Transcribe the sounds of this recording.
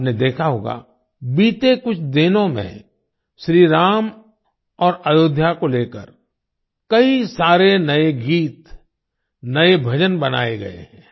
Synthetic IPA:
ned̪eːkʰaɦoːɡa̰ | biːt̪ekʊt͡ʃʰd̪ɪnõmḛ̃ | ʃɾiːɾaːm | ɔːɾɐjoːd̪ʱjakoleːkə̰ɾ | kɐisaːɾenɐeɡiːt̪ | nɐebʱɐd͡ʒənbɐna̰ːeɡɐ̰ḛɦɛ̃ː

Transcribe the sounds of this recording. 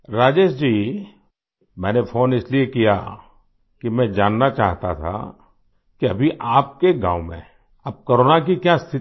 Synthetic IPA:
ɾaːd͡ʒeːʃd͡ʒiː | mɛ̃ːnepʰoːnɪsliekija̰ | kimɛ̃d͡ʒaːnːat͡ʃaːɦt̪at̪ʰa̰ | kiɐbʱiʔaːp̚keɡã̰ːwmḛ̃ | ɐb̚koːɾoːnak̬ikjast̪ʰɪ

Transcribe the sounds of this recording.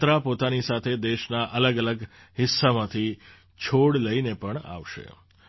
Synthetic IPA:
t̪ɾapot̪anisat̪ʰed̪eʃnaʔələɡələɡ | ɦɪsːamãt̪ʰi | t͡ʃʰoɽləinepəɳa̰ʋʃḛ

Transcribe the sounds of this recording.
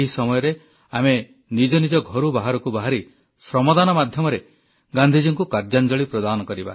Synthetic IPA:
eɦisɔmɔjɔɾe | ame | nid͡ʒɔnid͡ʒɔɡʱɔɾubaɦaɾɔkubaɦaɾi | sɾɔmɔd̪anɔmad̪ʱjɔmɔɾe | ɡand̪ʱid͡ʒiŋkukaɾd͡ʒand͡ʒɔɭipɾɔd̪anɔkɔɾiba̰

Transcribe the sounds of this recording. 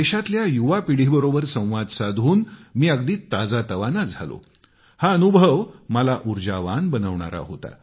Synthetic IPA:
eɕat̪ljajuʋapiɽ̤ibəɾobəɾsə̃w̃ʋad̪sad̪ʱuːnmiːəɡd̪iːt̪ad͡zat̪əʋanad͡zʱalo̰ | haənubʱəʋməlaʔuɾd͡ʑaʋanbənəʋɳa̰ɾa̰ɦot̪a̰

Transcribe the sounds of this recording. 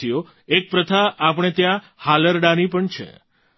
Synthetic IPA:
ijo | ek̚pɾət̪ʰaʔːpəɳ̃et̪jã | haləɾɖanipəɳt͡ʃʰḛ

